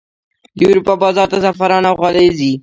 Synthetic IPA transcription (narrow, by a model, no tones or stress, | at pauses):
juɾupabɑzɑɾt̪azafaɾɑnaɣalezi